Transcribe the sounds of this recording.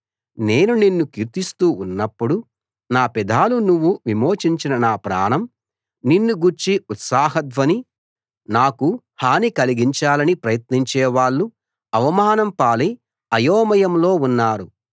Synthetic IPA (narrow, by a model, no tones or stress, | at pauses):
neːnuninːukiɾt̪ist̪uːunːɐpːuɽu | naːpɛd̪ʱaːlunuʋːuʋimo̞ːt͡ʃiɲt͡ʃinɐnaːpɾa̰ːnɐm | ninːuɡuɾt͡ʃiut̪saːɦɐt̪ʋɐni | naːku | haːnikɐliɡiɲt͡ʃaːlɐnipɾɐjɐt̪niɲt͡ʃɛːʋaːɭːu | ɐʋɐmaːnɐmpaːli | ɐjoːmɐjɐmlo̞ːunːaːɾu